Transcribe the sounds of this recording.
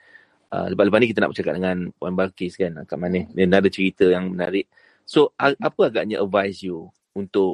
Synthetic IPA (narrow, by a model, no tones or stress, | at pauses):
ə̰ləbaʔləpasnikit̪əna̰ʔbət͡ʃakat̪̚dəŋãnpuanbalkeskana̰kaʔmanəhənadət͡ʃəɾit̪əjaŋmənaɾɪʔ | soaapəaɡaʔɲaʔəvajsju | unt̪ʊʔ